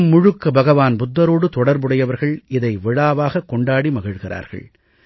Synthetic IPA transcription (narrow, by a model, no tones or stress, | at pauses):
mːʊɻɯkːɐbɐɣɐʋaːnbʊd̪ːɐɾoːɽɯt̪ɔɽɐɾbɯɽɐjɐʋɐɾɣɐɭʔɪðɐɪʋɪɻaːʋaːɣɐkːɔɳɖaːɽimɐɣɪɻɣɪrʔa̰ːɾɣɐ̰ɭ